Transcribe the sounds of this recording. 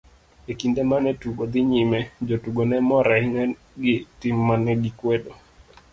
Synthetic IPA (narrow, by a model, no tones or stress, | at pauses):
ekindemanɛtuɡod̪ɪɲimɛd͡ʒotuɡonɛmɔɾahiŋa | ɡɪtɪmːanɛɡikwedo